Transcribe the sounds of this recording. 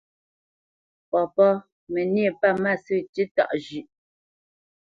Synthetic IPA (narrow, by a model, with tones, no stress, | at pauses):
pɔ˨pɔ˦ | mɛ˨nje˦˨pa˦˨ma˦˨sʉ˦˨ti˦ta̰˦˨ʔʒʉ˨ʔ